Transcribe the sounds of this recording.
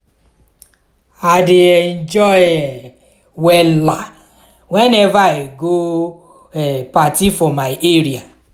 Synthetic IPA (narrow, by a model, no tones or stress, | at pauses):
adeɛn̩d͡ʒɔjɛ | wɛla | wɛnɛvaeɡo | ɛpatifɔmajeɾia